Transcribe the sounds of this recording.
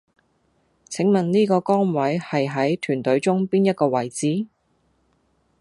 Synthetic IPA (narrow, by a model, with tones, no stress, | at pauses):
t͡sʰɪ˨˥ŋmɐ˨nniː˥kɔː˧kɔː˥ŋwɐ˨˥jhɐ˨jɦɐ˨˥jt̪ʰyː˨˩nt̪ɵ˨˥ɥt͡sʊ˥ŋpiː˥njɐ˥t̚kɔː˧wɐ˨˩jt͡siː˨˥